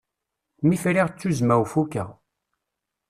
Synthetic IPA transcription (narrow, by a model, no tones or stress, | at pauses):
mifɾiʁt͡sːuzmæwfukæʁ